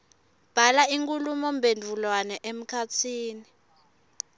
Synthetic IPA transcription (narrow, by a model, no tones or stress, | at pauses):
b̥ʱalaiŋkʼulumɔmbʱendʱulwanɛʔem̩kʰat͡sʰiːni